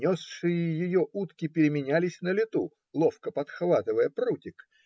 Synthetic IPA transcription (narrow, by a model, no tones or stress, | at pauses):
nʲosʂɨjəjɪjoʔut̪kʲɪpʲɪɾʲɪmʲɪnʲælʲɪsʲnəlʲɪt̪u | lˠofkəpɐt̪xvat̪ɨvəjəprutʲɪk